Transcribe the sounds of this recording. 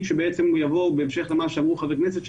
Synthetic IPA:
ʃebeet͡semujavo̞beemʃeχlemaʃamʁuχavekneset̪ʃ

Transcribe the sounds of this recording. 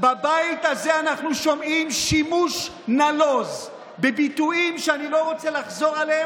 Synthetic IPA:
babajit̪azeanaχnuʃo̞mimʃimuʃ | nalo̞z | bebit̪uimʃeanilo̞ʁo̞t͡selaχzo̞ʁalee

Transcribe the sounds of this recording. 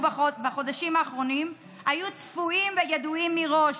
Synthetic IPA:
bbaχo̞daʃimaːχʁo̞nim | ajut͡sfuimvejeduimːiʁo̞ʃ

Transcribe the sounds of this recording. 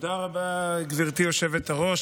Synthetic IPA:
d̪aʁabaɡviʁt̪ijoʃe̞vet̪aʁo̞ʃ

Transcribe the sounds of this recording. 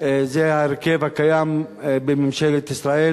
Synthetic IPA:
zehaeɾkevhakajambemimʃelet̪isɾae

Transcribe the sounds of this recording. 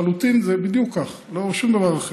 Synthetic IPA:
alut̪inzebid̪jukːaχ | loʃumd̪avaʁaχe

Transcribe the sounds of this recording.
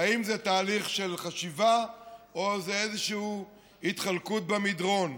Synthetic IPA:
aimzet̪aːliχʃe̞lχaʃivaozeezeʃuu | hit̪χalkut̪̚bemidʁo̞n

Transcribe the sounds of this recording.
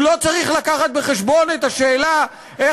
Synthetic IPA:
lot͡saʁiχlakaχat̪̚be̞χeʃbo̞net̪aʃe̞ːla | e

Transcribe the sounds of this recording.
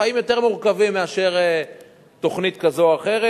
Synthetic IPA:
aimjo̞t̪e̞ʁmuʁkavimːeaʃe̞ʁe | t̪o̞χnit̪kazoaχe̞ʁe

